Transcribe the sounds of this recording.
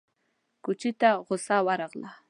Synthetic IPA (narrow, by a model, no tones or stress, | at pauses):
kʊt͡ʃɪt̪aɢosawɑɾɑqla